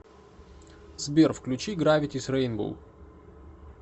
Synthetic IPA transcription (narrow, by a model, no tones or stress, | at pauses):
zbʲerfklʲʊt͡ɕiɡɾavʲɪtʲɪsʲrɛɪnbṵlˠ